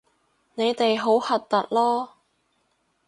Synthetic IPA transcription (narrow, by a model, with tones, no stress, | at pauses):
ne˨˧jt̪e˨jɦo˨˥whɐ˨t̚t̪ːɐ˨t̚lɔː˥